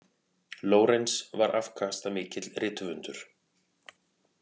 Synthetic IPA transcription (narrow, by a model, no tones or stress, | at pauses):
loːwɾensvaɾʔafkʰaːst̪amɪːcɪt̪lrɪːt̪ʏvʏnt̪ʏɾ̥